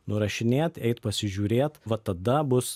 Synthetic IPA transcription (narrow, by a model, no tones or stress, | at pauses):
nʊɾɐʃʲɪnʲeːt̪ɛɪt̪pɐsʲɪʒʲuːɾʲeːt̪ʋɐt̪ɐd̪ɐbʊs